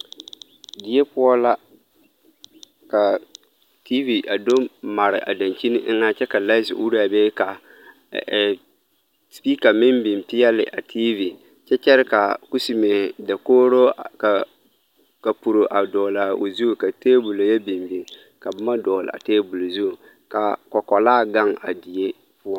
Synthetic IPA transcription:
dɪ˦jɛ˦pʊ˦ɔ˦la˦ | ka˨ | tʰi˦vi˨ʔa˨do˦ma˨ɾɪ˨ʔa̰˨da˨nt͡ʃi˦nɪ˦ʔŋa˦t͡ʃɛ˦ka˨la˦sɪ̰˨ʔu˦ɾa˨bɛ˦ka˨ | spi˦ka˨mɪ˦mbi˨mpɪ˦jɛ˦lɪ̰˨ʔa˨tʰiː˦vi˨ | t͡ʃɛ˦t͡ʃɛ˦ɾɪ˦ka˨ku˦si˨me˨da˨koː˦ɾo˦ka˨ | ka˨pu˨ɾo˨ʔa˨dɔː˨la˨o˨zu˦˨ka˨teː˦bu˨lo˨jɛ˦bi˨mbi˨n | ka˨bʊ˦ma˦dɔː˨lɪ̰˨a̰˨teː˦bu˨lo˨zu˦˨ | ka˨kɔ˨kɔ˨laː˦˨ɡa˦ŋa˨di˨je˦ | pʊ˦a˦

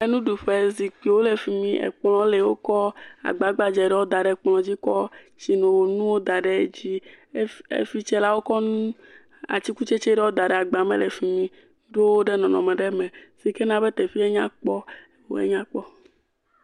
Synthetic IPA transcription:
e˦nũ˦ɖu˨ɸe˨zi˨k͡pi˨wo˦le˨fi˨mĩ˦ʔḛ˨k͡plɔ̃˨˦le˨wo˦kɔ˦a̰˨ɡ͡ba˨ɡ͡ba˨d͡ʒɛ˨ɖɛ˦wo˦d̪a˨ɖɛ˨k͡plɔ̃˨d͡ʑi˦kɔ˦ | t͡ɕi˨nõ˨wo˨nũ˦wo˦d̪a˨ɖe˦d͡ʑi˦ | ḛ˦fi˦t͡ʃɛ˦la˦wo˦kɔ˦nũ˦ | a̰˨t͡ɕi˦ku˦t͡ʃe˦t͡ʃɛ˦ɖɛ˦wo˦d̪a˨ɖɛ˨a˨ɡ͡ba˨mḛ˦le˨fi˨mĩ˨ | ɖo˦wo˦ɖe˦nɔ̃˨nɔ̰̃˨mɛ̃˨ɖɛ˦mẽ˨z̥i˨ke˦nã˨be˦t̪e˨fi˦e˦ɲã̰˦k͡pɔ˦ | wo̰˦ḛ˦ɲã˦k͡pɔ˦

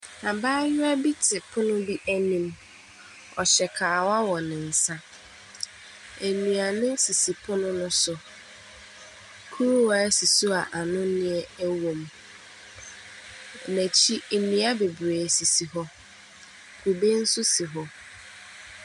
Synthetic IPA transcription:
a˨baː˦ɲʊ˦a˦bi˦tʰɪ˨pʰʊ˦nʊ̃˦bi˦ʔæ˦nĩ˨m | ɔ˨ɕɛ˨kʰaː˨wa˦wɔ˨nɪ̃˨n̩˨sã˦ | æ˨nũ˨a˨nɪ̃˦si˨si˨pʰʊ˦nʊ̃˦nʊ̃˦sʊ˨ | kʰu˦ɾu˦wɔ˨˦æ˦si˨su˦a˨ʔa˨nʊ̃˦nɪ̃˦ɛ˦æ˦wõ˨m | næ̃˨t͡ɕʰi˦˨nĩ˨a˦be˨bɾe˨si˨si˨ɦɔ˦ | kʰu˨be˦n̩˦sʊ˦si˨ɦɔ˦

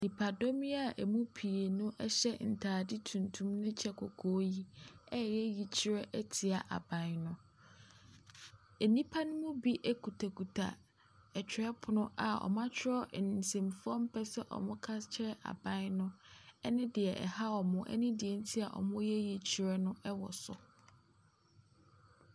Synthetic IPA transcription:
nĩ˨pʰa˨do˦mi˦a˨ʔɛ˨mũ˦pʰi˨e˨nʊ̃˦ʔɛ˦ɕɛ˦n̩˨tʰaː˨dɪ˦tʰũ˨ntʰũ˦mnʊ̃˦t͡ɕʰɛ˦kʰɔ˨kʰoː˦ji˦ɛ˦˨jɛ˦ji˨t͡ɕʰi˦ɾɛ˦ʔɛ˦tʰi˨a˨ʔa̰˨bã˨n˦nʊ̃˦ | e˨nĩ˦pʰa˦nʊ̃˦mʊ̃˦bi˦ʔɛ˦kʰu˨tʰa˨kʰu˨tʰa̰˨ | ɛ˨t͡ɕᶣʰɪ˨ɾɛ˦pʰʊ˨nʊ̃˦ʔa˨ɔ̰˨mã˦t͡ɕʰᶣɪ˦ɾɔ˦˨n˨sẽ˨mfʊ˦ɔ˦m̩˦pʰɛ˦sɛ˦ʔɔ̰˨mʊ̃˦kʰa˦st͡ɕʰɛ˦ɾɛ˦ʔa̰˨bã˦n˦nʊ̃˦ɛ˦nɪ̃˦dɪ˨ɛ˨ʔɛ̰˨ha˦ɔ˨mʊ̃˦ʔɛ̰˦nɪ̃˦dɪ˨ɛ˨n̩˦tʰi˦a˨ʔɔ̰˨mʊ̃˦jɛ˦ji˨t͡ɕʰi˨˦ɾɛ˦nʊ̃˦ʔɛ˦wɔ̰˨sɔ˨

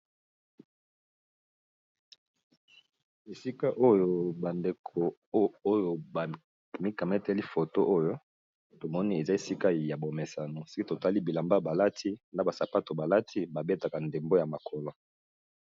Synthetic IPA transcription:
e˨si˦ka˦ʔo˦jo˦˨ba˨nde˨kʰo˨o˦jo˨ba˨ | mi˦ka˨mɛ˦tɛ˦li˦fo˨to˦ʔo˦jo˦ | to˨mɔ˦ni˦e˨za˦e˨si˦ka˦˨ja˨bo˨me˨sa˨no˨se̥˦ki˦to˨ta˦li˦bi˨la˨mba˦ba˨la˦tʰi˦nda˦ba˨sa˨pa˦to˨ba˨la˦tʰi˦ba˨be˦ta˨ka˨nde˨mbo˦ja˨ma˨kʰɔ˨lɔ˨

